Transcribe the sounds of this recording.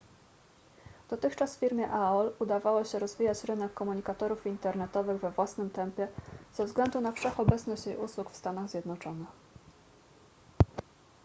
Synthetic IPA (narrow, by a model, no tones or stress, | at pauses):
d̪̥ɔt̪ɘxt͡ʂasfʲiɾmʲjɛʔaɔlud̪avawɔɕɛɾɔzvʲijat͡ɕɾɘnɛkːɔmuɲikat̪ɔɾufint̪ɛɾnɛt̪ɔvɘɣvɛvwasnɘmt̪ɛmpʲjɛz̥ɛvzɡlɛnd̪unafʂɛxɔbɛt̪snɔɕt͡ɕjejuswukfst̪anaɣzʲjɛd̪nɔt͡ʂɔnɘx